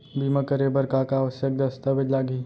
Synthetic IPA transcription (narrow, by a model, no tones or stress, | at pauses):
biːmɐkəɾebəɾkakaːʋəsjək̚d̪ɐst̪əʋɪd̪laːɡiː